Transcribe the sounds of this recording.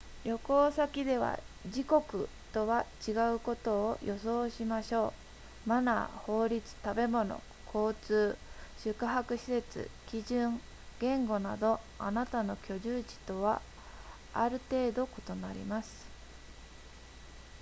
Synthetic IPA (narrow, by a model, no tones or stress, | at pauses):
jʲjo̞ko̞ːsakʲid̪e̞βa̰ | ʑiko̞kɯ̟ | t̪o̞βat͡ɕiɡaɯ̟ko̞t̪o̞ːjʔo̞so̞ːɕimaɕo̞ː | mana̰ho̞ːɾʲit͡sɨ̥t̪abe̞mo̞no̞̰ | kʰo̞ːt͡sɨːɕɨkɯɦakɯ̟ɕi̥se̞t͡sɨ̰kʲiʑɨ̃ŋ | ɡ̥ẽ̞ŋɡo̞nad̪o̞ | a̰nat̪ano̞kʲo̞ʑɨːd͡ʑi̥t̪o̞βaː | ɾɯ̟t̪e̞ːd̪o̞ko̞t̪o̞naɾʲḭmasɨ̥